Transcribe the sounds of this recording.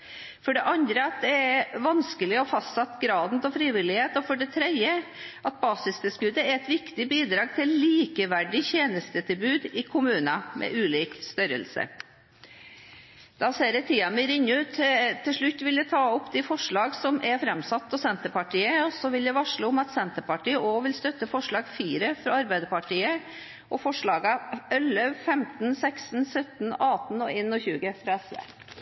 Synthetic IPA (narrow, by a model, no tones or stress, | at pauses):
fɔɖɛʔɑnd̪ɾəɑt̪̚d̪ɛæɾʋɑnskəlɪɔfɑst̪sɑt̪ːɡɾɑːd̪n̩t̪ʰɔfɾiːʋɪlɪheːt̪ɔfɔɖɛt̪ʰɾɛd̪əʔɑt̪̚bɑːsɪsd̪əskʉd̪ːəæɾɛt̪ʋɪkt̪ɪbiːd̪ɾɑːɡt̪ʰɪlliːkəʋæɖɪçeːnəst̪ət̪ʰɪlbʉːd̪ɪkʰʊmʉːnɑmʔɛ̰ʔʉːliːkst̪œɾə̰lsə̰ | d̪̥ɑːseːɾɛt̪ʰiːɑməɾɪɲːəʉːt̪t̪ʰːɪʂɭʉt̪ːʋɪljæt̪ʰɑːɔpːd̪ɪfɔʂɭɑːɡsɔmʔɛɾfɾɛmsɑt̪ːɔsɛnt̪əpɑʈʰiːəɔsɔʋɪljæʋɑʂɭuːʊmɑt̪sɛnt̪əpɑʈiːəʔoːʋɪlst̪œt̪ːəfɔʂɭɑːɡfiːɾəfɾɑɑɾbæɪd̪əɾpɑʈiːə | ʔɔfɔʂɭɑːɡɑœlːəʋfɛmt̪nsɛksn̩sœt̪n̩ɑːt̪n̩ɔeːnɔçʉːɡəfɾɑɛsʋḛ